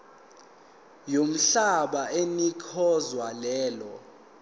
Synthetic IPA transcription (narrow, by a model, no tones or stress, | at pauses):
jom̩ɬaɓaenikʰɔzwalɛːlɔ